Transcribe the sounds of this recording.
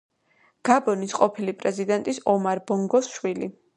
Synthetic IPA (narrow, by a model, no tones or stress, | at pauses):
ɡ̥abɔnisqʼɔpʰilipʼɾɛzid̪ɛnt̪ʼisɔmaɾbɔŋɡɔsʃwili